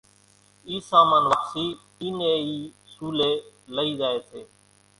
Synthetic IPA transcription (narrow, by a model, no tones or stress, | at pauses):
iːsaːmaːnʋəːsiː | iːneːiː | suːleːləiːzaːeːt̪ʰeː